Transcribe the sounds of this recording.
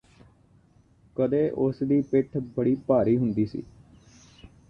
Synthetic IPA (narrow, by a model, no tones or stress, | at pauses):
kəd̪eːʔʊsd̪iːpɪʈʰbəɽiːpaːɾiːɦʊnd̪iːsḭː